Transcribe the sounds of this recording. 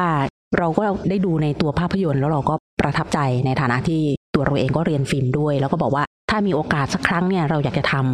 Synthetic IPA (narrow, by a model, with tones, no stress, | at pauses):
aː˥˩ | ɾa˧wkɔː˥˩daː˥˩jduː˧na˧jt̪u˧ɐpʰaː˥˩pʰːa˧jo˧nlɛː˦˥wɾa˧wkɔː˥˩pɾa˧t̪ʰa˦˥p̚t͡ɕa˧jna˧jt̪ʰaː˨˦na˦˥t̪ʰiː˥˩t̪u˧ɐɾa˧wʔeː˧ŋkɔː˥˩ɾi˧ənfi˧mdu˥˩əjlɛː˦˥wkɔː˥˩bɔː˨˩k̚waː˥˩t̪ʰaː˥˩miː˧ʔoː˧kaː˨˩t̪̚sa˦˥kʰːɾa˦˥ŋni˥˩ɐɾa˧wjaː˨˩k̚t͡ɕa˨˩t̪ʰa˧m